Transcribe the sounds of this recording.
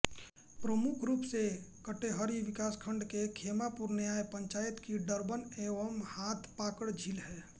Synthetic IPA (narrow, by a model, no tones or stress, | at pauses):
pɾəmukʰɾuːpsekəʈeɦəɾiʋɪkaːskʰəɳɖkekʰemapuɾneaːepə̃ɲt͡ʃaːjət̪kiɖəɾbəneːʋəmhaːt̪ʰpaːkəɽd͡ʒʱilɦɛː